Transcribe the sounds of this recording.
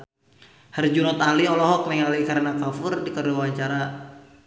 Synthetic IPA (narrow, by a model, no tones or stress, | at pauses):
hərd͡ʒunɔt̪aliɔlɔɦɔk̚lɛŋalikaɾənakafʊrdikəɾuwaɲt͡ʃaɾa